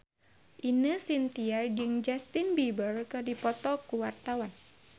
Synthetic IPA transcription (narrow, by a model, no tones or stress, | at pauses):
ʔinəsint̪iad͡ʒɨŋd͡ʒast̪inbibərkədipɔt̪ɔkuwart̪awan